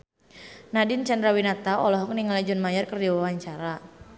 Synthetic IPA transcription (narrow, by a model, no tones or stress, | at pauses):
nadɪnt͡ʃandɾawinat̪aɔlɔɦɔk̚niŋalad͡ʒɔnmajarkərdiwawaɲt͡ʃaɾa